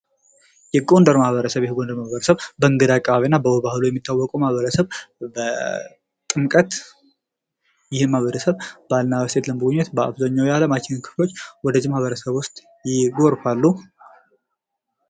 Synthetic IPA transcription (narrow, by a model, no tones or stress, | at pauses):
jɛɡond̪əɾmahβəɾəsəβjɛhɡond̪əɾmahβəɾəsəβbəɨŋɡɨd̪akʼːəβaβinːabəwɔβahlujɛmːit̪ʰːawːɔkʼumahβəɾəsəβbə | t̪ʼɨmkʼət̪ | jɪhmahβəɾəsəβbalnaβəsʰet̪ləmbəɡuɲːɛt̪bəa̰βzəɲːawjaləmat͡ʃːɪnɨnkʰɨ̥flo̞t͡ʃːwɔd̪əzimahβəɾəsəβwʊst̪ʼ | jɪɡoɾfalːu